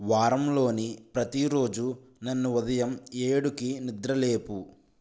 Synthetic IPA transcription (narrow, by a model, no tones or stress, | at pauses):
ʋaːɾɐmlo̞ːnipɾɐt̪iɾo̞ːd͡ʒu | nɐnːuud̪ɐjɐmeːɽukinid̪ɾɐle̞ːpu